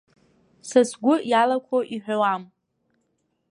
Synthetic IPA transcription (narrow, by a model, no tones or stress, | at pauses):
sasɡʷʊjalakʷʰoʔiħʷᶣawam